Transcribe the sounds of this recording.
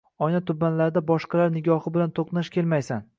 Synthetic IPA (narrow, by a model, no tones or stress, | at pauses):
ɒjnat̪ʰʊbːanlaɾd̪abɒʃqɑlaɾnɪɡʲɒhɪbɪlant̪ʰoqnaʃkʲʰe̞lmajsan